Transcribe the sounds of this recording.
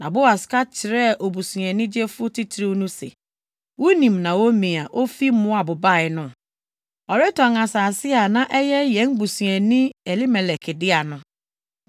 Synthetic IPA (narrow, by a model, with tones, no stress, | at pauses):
nã˨bʊ˦a˨ska˦t͡ʃʰɪ˨ɾɛ˦ʔo˨bu˨su˨ɛ̃˨nĩ˦d͡ʒe˦fʊ˦ti˦tʰɾi˦nʊ̃˦sḛ˨ | wo˦nĩ˨mnã˨wo˦mĩ˨a˨ʔo˦fi˦mʊ̃˦a˨bʊ˨ba˦˨ɪ˨˦nʊ̃˦˨ | ɔ˨ɾe˦tɔ̃˨ŋa˨sa˨sɪ˦a˨nã˦ʔɛ˦jɛ˦jɛ̃˨˦n˦bu˨su˨ɛ̃˨nĩ˦e˨li˦me˨lɛ˨kʰɪ˨dɪ˦a˨nʊ̃˨